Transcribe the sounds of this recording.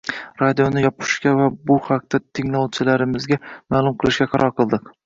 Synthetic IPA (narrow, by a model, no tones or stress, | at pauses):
ɾad̪ijonɪjɒpʰɪ̥ʃkʲavabʊhaq̚t̪at̪ʰɪŋlɒwt͡ʃʰɪlaɾɪmɪzɡʲamaːlˠʊmqʰɨlˠɪʃɡʲaqʰɑɾʔɒɾqʰɨlˠd̪ɪq